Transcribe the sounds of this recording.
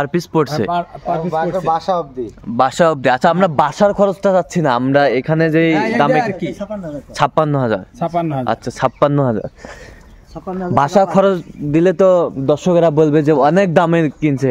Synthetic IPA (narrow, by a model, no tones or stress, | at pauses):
paɾpispoʈsʰe | abʱaʃaɔb̚d̪ibaʃaɔb̚d̪iatːɕʰaamɾabaʃaɾkʰɔɾot͡ɕʈad͡ʑat̪ːɕʰinaamɾaekʰaned͡ʑejd̪ame | t͡ɕʰapːanːoɦad͡ʑa̰ɾa̰tːɕʰat͡ɕʰapːanːoɦad͡ʑa̰ɾ | bʱaʃakʰɔɾot͡ɕd̪ilet̪od̪ɔɾʃokeɾabolbed͡ʑeɔnek̚d̪amekint͡ɕʰe